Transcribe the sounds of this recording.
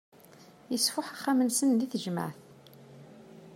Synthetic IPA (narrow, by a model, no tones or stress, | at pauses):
jəsfʊħaχːamənsənliθəʒmə̰ʕθ